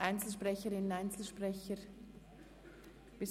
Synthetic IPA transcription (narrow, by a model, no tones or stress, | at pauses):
aɪnt͡sl̩ʃpʁɛçəɾɪnənaɪnt͡sl̩ʃpʁɛçəɾ | b̥ɪs